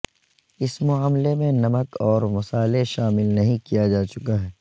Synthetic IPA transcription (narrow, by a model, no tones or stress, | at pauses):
ɪsmʊaːmlemẽnɐməkɔːɾmʊsaːleʃaːmɪlnɐɦĩkijad͡ʒaːt͡ʃʊkaɦɛː